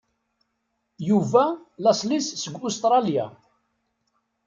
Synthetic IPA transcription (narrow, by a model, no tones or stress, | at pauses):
juvælɑsˤlissəɡʷːust̪ɾˤɑlja̰